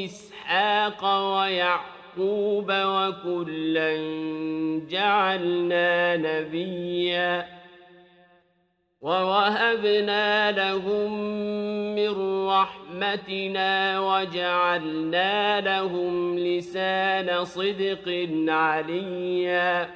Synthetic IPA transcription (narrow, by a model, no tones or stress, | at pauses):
ɪs | ħaɑːqɑwajaʕ | quːbawakʊlːan | d͡ʒaʕalnaːnabɪjːaː | wawaɦabnaːlaɦʊmː | ɪnɾɑħmat̪ɪnaːwad͡ʒaʕalnaːlahʊmlɪsaːnasˤɨd̪qɨnʕalɪjːaː